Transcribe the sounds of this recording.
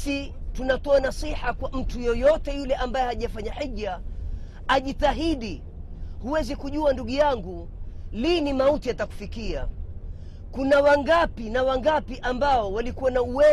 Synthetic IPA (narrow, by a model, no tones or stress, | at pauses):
si | tunatɔanasiħakwam̩tujɔjɔtɛjulɛʔambajɛhaʄafaɲaħiʄa | aʄitaɦiɗi | huwɛzikuʄuanduɠujaŋɡu | linimautijataku̥fikia̰ | kunawaŋɡapinawaŋɡapiʔambaɔwalikuwanauwɛ